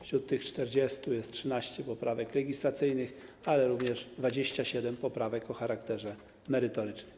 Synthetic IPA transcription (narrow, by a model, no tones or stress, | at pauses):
fɕɾut̪ːɘxt͡ʂt̪ɛɾd͡ʑɛst̪ujɛst̪̚tʂɘnaɕt͡ɕɛpɔpɾavɛklɛɡʲislat̪sɘjnɘxalɛɾuvɲɛʐd̪vad͡ʑeɕt͡ɕaɕɛd̪ɛmpɔpɾavɛkɔxaɾakt̪ɛʐɛ | mɛɾɘt̪ɔɾɘt͡ʂnɘm